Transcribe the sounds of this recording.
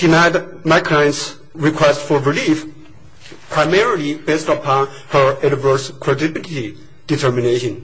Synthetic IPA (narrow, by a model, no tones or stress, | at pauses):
d̥inaɪd | maɪkʰɹãɪ̃ns | ɹikʰw̥ɛstfɔɹilif | pʰɹ̥aɪmɛɹlˠibestəpʰɑ̃n | hə˞ɛdvə˞skʰɹ̥ɛdɪbilti | d̥itʰə˞mineʃə̃n